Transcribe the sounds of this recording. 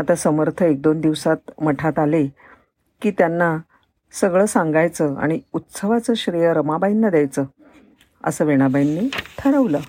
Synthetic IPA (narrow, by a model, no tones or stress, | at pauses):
at̪asəməɾt̪ʰəek̚d̪ond̪iʋsat̪məʈʰat̪ale | kiːt̪janːa | səɡɭəːsãŋɡajt͡səa̰ɽ̃iut̪səʋat͡səɕɾijəɾəmabajinːad̪jajt͡səː | ə̰səːʋeɽ̃abainːiːt̪ʰəɾəʋlə